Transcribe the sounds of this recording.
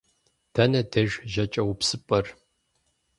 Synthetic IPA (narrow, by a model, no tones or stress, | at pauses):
d̥ʰɐnɐdɐʒʒɐt͡ʃʼɐwpsɨpʼɐr